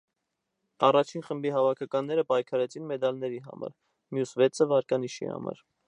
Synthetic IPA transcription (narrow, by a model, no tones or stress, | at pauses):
ɑrɑt͡ʃʰinχəmbiɦɑvɑkʰɑkɑnːɛɾəpɑjkʰɑɾɛt͡sʰinmɛd̪ɑlnɛɾiɦɑ̰mɑ̰ɾ | mjusvɛt͡sʰəvɑɾkɑniʃḭhɑ̰mɑ̰ɾ